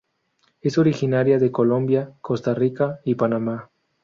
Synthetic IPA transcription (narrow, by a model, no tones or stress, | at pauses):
e̞so̞ɾixinaɾjaðe̞ko̞lo̞mbjako̞st̪arikaipanama